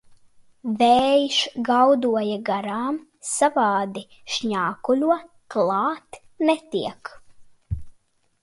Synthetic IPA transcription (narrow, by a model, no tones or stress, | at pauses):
vɛːjʃɡawd̪uɔjaɡaɾaːm | savɑːd̪i | ʃɲaːkulʲuɔ | klˠɑːt̪ | nɛt̪iɛk